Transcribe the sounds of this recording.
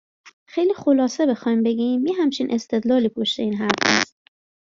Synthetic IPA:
xe̞jliːxolɒːse̞be̞xɒːjmbe̞ɡimjeɦæmt͡ʃʰinʔe̞st̪e̞d̪lɒːliːpʰo̞ʃt̪e̞iːnɦæɾfæ̰st̪

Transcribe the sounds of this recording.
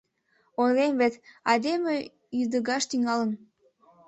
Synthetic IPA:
ojlemvet̪ɑd̪eme | jyd̪əɣɑʃt̪yŋɑlən

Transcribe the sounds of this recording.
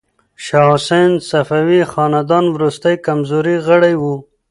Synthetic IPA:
ʃɑsensafawixɑnad̪ɑnwɾust̪əjkamzoɾiɣəɽajwu

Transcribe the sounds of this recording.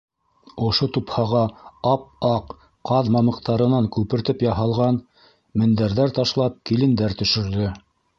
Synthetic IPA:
ŏʃot̪uphɑʁɑɑp̚ɑq | qɑðmɑmɤ̆qt̪ɑɾɤ̆nɑŋkʉpɘ̆ɾt̪ɘpjɑɦɑlˠʁɑn | mɘ̆nd̪æɾðæɾt̪ɑʃlˠɑp̚kilɘ̆nd̪æɾt̪ɵ̆ʃɵ̆ɾðɵ

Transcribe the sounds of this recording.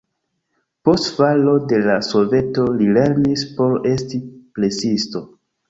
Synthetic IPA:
po̞stfalo̞de̞laso̞ve̞to̞lile̞ɾnispo̞ɾe̞stipɾe̞sisto̞

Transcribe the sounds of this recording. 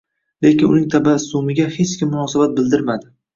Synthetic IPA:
lekʲɪnʊnɪŋt̪ʰabasumɪɡʲahe̞t͡ʃkʲɪmːʊnɒːsabat̪̚bɪld̪ɪɾmad̪ɪ

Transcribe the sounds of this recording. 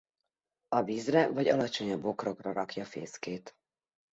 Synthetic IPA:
ɒviːzrɛvɒɟɒlɒt͡ʃo̞ɲɒbːo̞kro̞krɒɾɒkjɒfeːskeːt̪

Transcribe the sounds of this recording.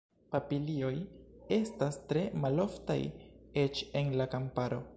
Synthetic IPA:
papilio̞je̞stastɾe̞malo̞fta̰je̞t͡ʃe̞nlakampaɾo̞̰

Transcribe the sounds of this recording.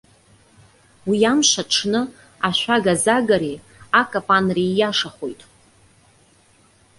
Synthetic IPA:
wiamʃaʈ͡ʂʰnɨ | aʃʷᶣaɡazaɡaɾi | akʼapʼanrijaʂaχo̰jtʼ

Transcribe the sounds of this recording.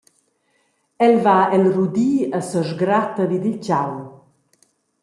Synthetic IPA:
ɛlvaɛlrud̪iːəsəʒɡɾat̪əvid̪ilt͡ɕaw

